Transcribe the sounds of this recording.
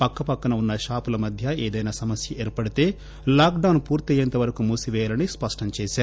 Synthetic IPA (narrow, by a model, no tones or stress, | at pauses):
pɐkːɐpɐkːɐnɐunːɐʃaːpulɐmɐd̪ʱjɐeːd̪ɐjnaːsɐmɐsjɐeːɾpɐɽit̪e̞ː | laːkɖɐwnpuːɾt̪ɐjɐnt̪ɐʋɐɾɐkumuːsiʋɛːjaːlɐnispɐʂʈɐmt͡ʃɛːsaːɾu